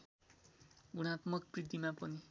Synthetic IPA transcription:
ɡuɽ̃at̪mʌkbrid̪imapʌni

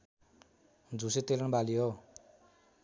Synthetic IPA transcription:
d͡zuset̪elʌnbalijo

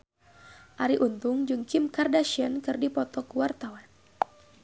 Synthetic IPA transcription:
ʔaɾiʔunt̪ʊŋd͡ʒɨŋkimkardaʃiankɨrdipɔt̪ɔkuwart̪awan

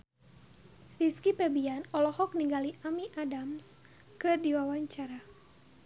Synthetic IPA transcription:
riskipɛbianɔlɔhɔk̚niŋɡaliʔamiʔadams | kɨrdiwawaɲt͡ʃaɾa

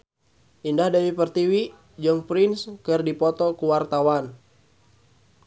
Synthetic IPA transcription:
ʔindahdawipərt̪iwi | d͡ʒəŋpɾinskɨrdipɔt̪ɔkuwart̪awan

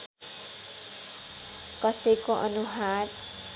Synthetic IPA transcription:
kʌsʌjkoʔʌnuɦar

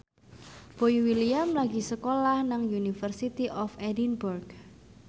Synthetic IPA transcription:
b̥oiwiliamlaɡisəkolahnaŋjunifərsit̪iʔɔfɛdinburɡ

